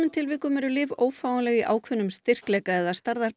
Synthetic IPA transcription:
ɪnt̪ʰɪlvɪːkʏmɛɾʏlɪːvoːwfaːwanlɛɣiʔaːwkʰvʏnːʏmst̪ɪr̥klɛːkaɛðast̪aɾða

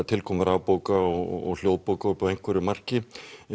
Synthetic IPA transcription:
t̪ʰɪlkʰɔːmɪɾaːwpoːwkaɔ̰ɔ̰ɣl̥joːwðpoːwkaʏɾpɔvejŋkʰvɛɾɪmar̥cɪ

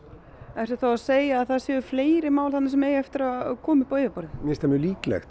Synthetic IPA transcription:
ɛfsɪ̥ɾθawaseːjaːðθaðsjɛːʏfleːjɾɪmaːwlθanasɛmeːjɛft̪ɪɾakʰɔːmɪpoːɥðapɔɾðɪmɪst̪amɪliːklɛ̰xt̪

